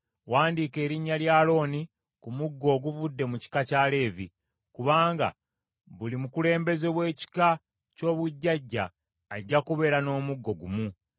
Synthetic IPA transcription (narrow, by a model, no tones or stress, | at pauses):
waːndiːke̞ːɾiɲːaljaːlo̞ːni | kumuɡːo̞ːɡuvudːe̞muci̥kacaːle̞ːvḭ | kuβaːŋɡa̰ | βulimukule̞ːmbe̞ze̞βwe̞ːci̥ka | co̞ːβuɟːaɟːa̰ː | ɟːakuβe̞ːɾano̞ːmuɡːo̞ɡumu